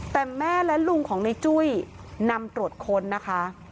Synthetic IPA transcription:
t̪ɛː˨˩mɛː˥˩lɛ˦˥lu˧ŋkʰɔː˩˦ŋna˧jt͡ɕu˥˩˨j | na˧mt̪ɾu˨˩t̪̚kʰo˧nːa˦˥kʰa˦˥

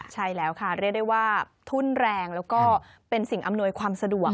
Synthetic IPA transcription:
t͡ɕʰa˥˩jlɛː˦˥wkʰa˥˩ɾi˥˩k̚da˥˩waː˥˩ | t̪ʰuː˥˩nɾɛː˧ŋlɛː˦˥wkɔː˥˩ | pe˧nsi˨˩ŋʔa˧mnu˧əjkʰwaː˧msa˧du˨˩ə

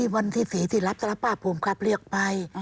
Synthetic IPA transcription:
i˧˩wa˧nt̪ʰiː˧˩siː˩˦t̪ʰiː˧˩la˦˥p̚t̪a˧la˦˧pːaː˧˩pʰuː˨˩˦mkʰa˧˦˥p̚ɾɯ˧˩ək̚pa˧j

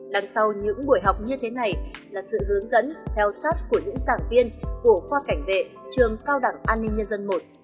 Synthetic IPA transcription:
ɗa˧˩ŋsa˧wɲɨ̰˧˥ŋɓu˧˩əjɦa˨˩wk͡p̚ɲɨ˧t̪ʰe˨˦na˨˩jlaː˨˩sɨ̰˧˨hɨ˨˦əŋzə̰˧˥nt̪ʰɛ˧wsaː˦˥t̚ku˧˩əɲɨ̰˧˥ŋzaː˧˩ŋvi˧ənku˧˩əxwaː˧ka˧˩jŋ̟vḛ˧˨ | t͡ɕɨ˨˩əŋkaː˧wɗa˧˩ŋʔaː˧nːï˧ŋ̟ɲə˧nzə˧nmo˨˩t̚

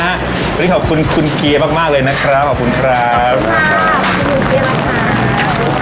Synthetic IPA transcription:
wa˧ni˦˥˩kːɔː˨˩p̚kʰu˧nkʰu˧nki˧əmaː˥˩k̚maː˥˩k̚lɤː˧jna˦˥kʰɾa˦˥p̚ʰːɔː˨˩ku˧nkʰɾa˦˥p̚ | u˧ki˧ma˧˩a˧˦˧

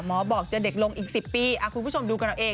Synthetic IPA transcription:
mɔː˨˦˥bɔː˨˩k̚t͡ɕa˨˩de˨˩k̚lo˧ŋʔiː˨˩k̚si˨˩pːiː˧ʔʔa˧˩kʰu˧nʰ˧uː˥˩t͡ɕʰo˧mduː˧ka˧nɾa˧wʔeː˧

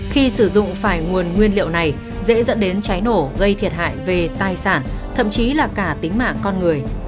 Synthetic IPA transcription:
xi˧sɨ˧˩zʊ̰˧˨ŋ͡mfaː˧˩jŋu˨˩ənŋwi˧ənlḭ˧˨əwna˨˩j | zḛ˧˥zə̰˧˥nɗe˨˦nt͡ɕa˨˦jno˧˩ɣə˧jt̪ʰi˨˩ət̚ɦa̰ː˧˨jve˨˩t̪aː˧˩jsaː˧˩nt̪ʰə̰˧˨mt͡ɕi˨˦laː˨˩kaː˧˩t̪ï˨˦ŋ̟ma̰ː˧˨ŋkɔ˧nŋɨ˨˩əj

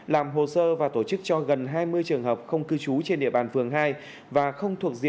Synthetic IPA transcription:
laː˨˩mɦo˨˩səː˧vaː˨˩t̪o˧˩t͡ɕɨ˦˥k̚t͡ɕɔ˧ɣə˨˩nɦaː˧jmɨ˧əjt͡ɕɨ˨˩əŋɦəː˨˩p̚xə˧wŋ͡mkɨ˧t͡ɕu˨˦t͡ɕe˧nɗḭ˧əɓaː˨˩nfɨ˨˩əŋɦaː˧j | vaː˨˩xə˧wŋ͡mt̪ʰu˨˩ək̚zḭ˧˨

